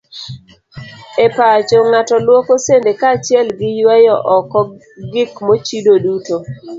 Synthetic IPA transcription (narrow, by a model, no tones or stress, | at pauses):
epat͡ʃoŋatɔlwokosendekat͡ʃɪɛlɡɪjwɛjɔʔɔkɔ | ɡɪkmot͡ʃidoduto